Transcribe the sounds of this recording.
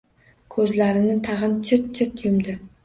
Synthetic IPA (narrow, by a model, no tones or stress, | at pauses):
kʰɵzlaɾɪnɪt̪ʰɑʁɨnt͡ʃʰɪɾt̪̚t͡ʃʰɪɾt̪jʊmd̪ɪ